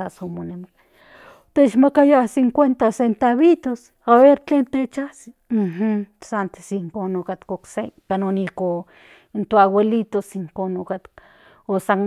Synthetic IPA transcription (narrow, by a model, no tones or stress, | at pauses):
asomoneme | t̪et͡ʃmakajasiŋkʷwent̪asent̪aβit̪os | aβeɾt͡ɬeːnt̪et͡ʃasi̥m̩hsant̪e̥siŋkoːnokat̪koksekanoniko | nt̪oawelit̪osiŋkonokat̪k | osan